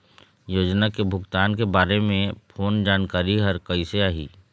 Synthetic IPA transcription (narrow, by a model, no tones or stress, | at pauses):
joːd͡ʒnakebʱʊɡt̪aːnkebaːɾemẽpʰoːnd͡ʒaːnkaːɾiɦɐɾkɐiseaːɦḭː